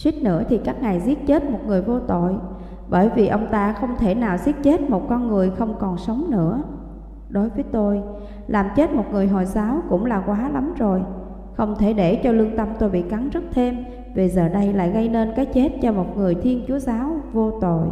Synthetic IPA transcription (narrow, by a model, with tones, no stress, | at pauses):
swi˦˥k̚nɨ̰˧˥ət̪ʰi˨˩kaː˦˥k̚ŋa˨˩jzi˦˥ət̚t͡ɕe˦˥t̚mo˨˩t̚ŋɨ˨˩əjvo˧t̪o̰˧˨j | ɓəː˧˩jvi˨˩ʔə˧wŋ͡mt̪aː˧xə˧wŋ͡mt̪ʰe˧˩naː˨˩wzi˦˥ət̚t͡ɕe˦˥t̚mo˨˩t̚kɔ˧nŋɨ˨˩əjxə˧wŋ͡mkɔ˨˩nsə˨˦wŋ͡mnɨ̰˧˥ə | ɗo˨˦jvəː˨˦jt̪o˧j | laː˨˩mt͡ɕe˦˥t̚mo˨˩t̚ŋɨ˨˩əjɦo˨˩jsaː˨˦wkʊ̰˧˥ŋ͡mlaː˨˩kwaː˨˦la˨˦mzo˨˩j | xə˧wŋ͡mt̪ʰe˧˩ɗe˧˩t͡ɕɔ˧lɨ˧əŋt̪ə˧mt̪o˧jɓḭ˧˨ka˨˦nzɨ˦˥k̚t̪ʰe˧m | ve˨˩zəː˨˩ɗə˧jla̰ː˧˨jɣə˧jne˧nkaː˨˦jt͡ɕe˦˥t̚t͡ɕɔ˧mo˨˩t̚ŋɨ˨˩əjt̪ʰi˧ənt͡ɕu˨˦əzaː˨˦wvo˧t̪o̰˧˨j